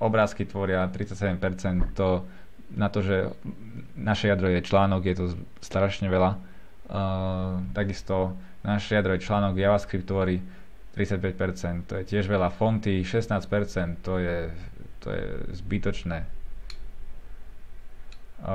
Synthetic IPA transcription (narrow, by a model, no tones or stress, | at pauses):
ɔbɾaːskit̪ʋɔɾɪat̪ɾit͡sacsɛɟɛmpɛɾt͡sɛnt̪t̪ːɔ | nat̪ɔʒɛ | naʃɛjad̪ɾɔjɛt͡ʃlaːnɔɡjɛt̪ɔ | st̪ɾaʃɲɛʋɛla | t̪aɡist̪ɔ | naʃɛjad̪ɾɔjɛt͡ʃlaːnɔɡjaʋaskɾip̚t̪ːʋɔɾi | t̪ɾit͡sac̚pɛc̚pɛɾt͡sɛnt̪t̪ːɔjɛcɪɛʒʋɛlafɔnt̪iʃɛsnaːspɛɾt͡sɛnt̪ːɔjɛt̪ʰɔ̰jɛ̰zbit̪ɔt͡ʃnɛː